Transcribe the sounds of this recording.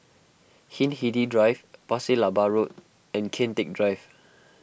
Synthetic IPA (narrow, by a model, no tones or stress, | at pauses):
hĩnhididɹajvpasilabaɹot̚ | ɛ̃nkʰẽntek̚dɹajv